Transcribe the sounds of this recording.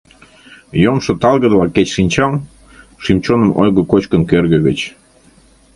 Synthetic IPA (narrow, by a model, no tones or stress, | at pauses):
jomʃŏt̪ɑlɣəd̪lɑket͡ɕʃinʲt͡ɕɑl | ʃimt͡ɕonəmʔojɣəkot͡ɕkənkørɣə̆ɣət͡ɕ